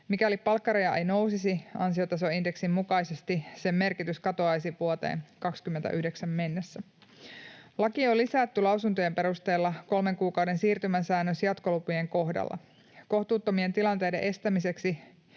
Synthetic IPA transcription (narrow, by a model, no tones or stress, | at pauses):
mikælippɑlkːɑɾɑjɑʔejno̞wsisiɑ̰nsio̞t̪ɑs̬o̞inde̞ksimmukɑjsest̪isemːe̞rkit̪yskɑt̪oɑjsiʋuot̪e̞̰ːnkɑkskymːent̪æ̰ʔyhdeksæmme̞nːesːæ | lɑkiolːisæt̪ːylɑwsunt̪ojempe̞ɾust̪e̞ːlːɑko̞lme̞ŋkuːkɑwde̞nsiːrt̪ymæsæːnːøsjɑt̪ko̞lupuje̞ŋko̞hdɑ̰lːɑ̰ | ko̞ht̪uːt̪ːomie̞nt̪ilɑnt̪ejdeʔe̞st̪æmise̞ksi